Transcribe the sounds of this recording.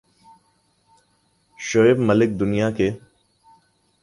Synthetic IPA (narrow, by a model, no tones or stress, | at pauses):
ʃoɪbməlɪk̚d̪ʊnijake